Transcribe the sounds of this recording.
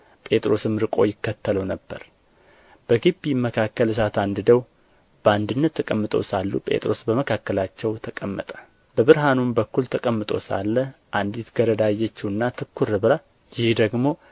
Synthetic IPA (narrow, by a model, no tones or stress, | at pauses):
pʼe̞t̪ʼɾo̞sɨmɾɨkʼo̞jɪkːət̪ʰːələwnəbːə̰ɾ | b̥əɡibiməkʰakːəls̬at̪and̪ɨd̪əw | b̥əand̪ɨnːət̪ʰːəkʼəmːɨt̪ʼowsalːṵpʼe̞̰t̪ʼɾo̞sbəməkʰakːəlat͡ʃːɛwt̪ʰəkʼəmːə̰t̪ʼə̥ | bəβɨɾɦanunbəkːult̪ʰəkʼəmːɨt̪ʼo̞̰sa̰lːəʔand̪it̪ɡ̥əɾəd̪ajːɛt͡ʃːiɨnːat̪ʰɨkʰːuɾɨβla | jɪhd̪əɡmo̞